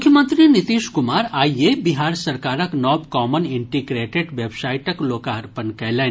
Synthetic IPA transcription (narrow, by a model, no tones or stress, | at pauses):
kʰjəmənt̪ɾinit̪iʃkumaːɾaːjebiɦaːɾsɐɾkaːɾəknɔːbkɔːməniɳʈiɡɾeʈeɖʋjebsajiʈəkloːkaɐɾpənkɐjle